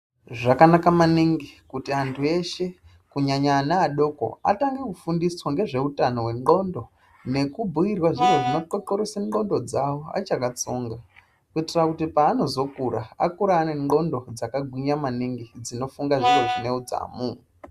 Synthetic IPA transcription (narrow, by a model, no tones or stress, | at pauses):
ʐakanakamaniŋɡikutiantʰue̞ʃe̞ | kuɲaɲaːnaːɗo̞ko̰a̰taŋɡe̞kufundiswaŋɡe̞ʐe̞utano̞we̞ŋɡo̞ndo̞ | ne̞kubʱuirwaʐiwe̞ʐino̞ǃokoɾeseŋ͡ǃo̞ndo̞d͡zawoa̰t͡ʃakat͡soːŋɡa | kuitirakutipaːno̞zo̞kuɾa̰akuɾaːne̞ŋo̞ndo̞d͡zakaɡʱwiɲamaniŋɡid͡zino̞fuŋɡaʐire̞ʐine̞ud͡za̰muːwe